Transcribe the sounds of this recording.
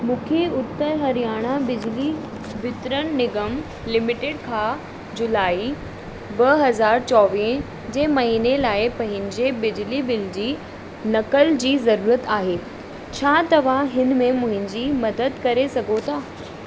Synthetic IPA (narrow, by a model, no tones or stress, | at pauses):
mũːkʰeʊt̪ːəɾɦɐɾijaːɽ̃abɪd͡ʑli | bɪt̪ɾənnɪɡəm | lɪmɪʈeɖkʰãː | d͡ʑʊlaːi | bɐɦɐzaːɾt͡ɕɔːʋiːn | d͡ʑeːmɐɦiːnelaːɪpɐ̃ɦɪ̃ɲ̆d͡ʑebɪd͡ʑlibɪld͡ʑiː | nɐkəld͡ʑiːzɐɾuːɾət̪aːɦeː | t͡ɕʰaːt̪ɐʋ̤ãɦɪnmẽmʊ̃ɦɪ̃n̆d͡ʑiːmɐd̪əd̪kɐɾesɐɡʱot̪ʰaː